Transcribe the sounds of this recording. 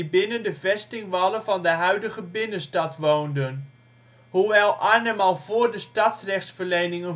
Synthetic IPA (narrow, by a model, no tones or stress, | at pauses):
ibɪnəndəvɛstɪŋʋɑlənvɑndəɦœɥdəχəbɪnənstɑtʋowndən | huʋɛlˠʔaːnəmɑlˠv̥ʊːɹdəstɑtsrɛχtsfəɹlejnɪŋən